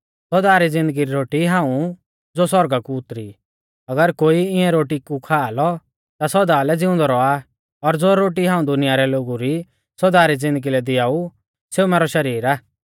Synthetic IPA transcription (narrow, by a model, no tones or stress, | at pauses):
sɔd̪aːɾid͡zɪ̃nd̪əɡiɾiɾoːʈiɦãːũ | d͡zosɔɾɡakuʊt̪ɾi | ɐɡəɾkoːiɪɛ̃ɾoːʈikukʰaːlɔ | t̪asɔd̪aːlɛd͡zɪʊ̃nd̪ɔɾɔa | ɔɾd͡zoɾoːʈiɦãːũd̪ʊnɪjaɾɛloːɡuɾi | sɔd̪aːɾid͡zɪ̃nd̪əɡilɛd̪ɪjaːu | seumɛːɾɔʃɐɾiːɾaː